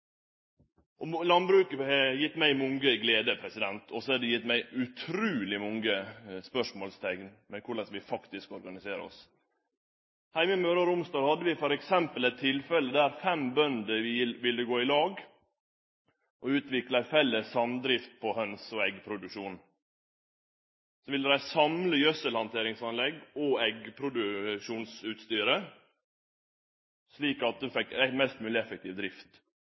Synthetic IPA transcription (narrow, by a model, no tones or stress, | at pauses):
ʔɔlɑnbɾʉːkəɛjɪt̪ːmæɪmʊŋɡəɡleːd̪əpʰɾɛsɪd̪ɛnt̪ʰɔsɔhɑd̪ɛjɪt̪ːmæɪʔʉt̪ʰɾʉːlɪmɔŋɡəspœʂmoːlst̪ʰɛkn | mɛkʰʊɭɛsʋɪfɑkt̪ɪskɔɾɡɑnɪseːɾə̰ɔ̰s | hæɪməmøːɾɑɾʊmst̪ɑːɡ̪hɑd̪ːəʋɪfɔɾɛksɛmpəlɛt̪ʰːɪlfɛləd̪æɾfɛmbœnd̪əʋɪʋɪlːəɡoːɪlɑːɡ | ʔɔʉːt̪ʋɪklæfɛlːəsɑmd̪ɾɪft̪̚pʰɔhœnsɔɛɡpʰɾʊd̪ʉʃuːn | sɔʋɪld̪əɾæɪsɑmləjœsəlhɑnt̪ʰeːɾɪŋsɑnlɛɡɔɛɡpʰɾʊd̪ʉʃuːnsʉːt̪st̪yːɾə | sliːkɑt̪̚d̪ʉfɛkːæmɛst̪mʉːlɪɛfəkt̪ʰiːʋd̪ɾɪft̪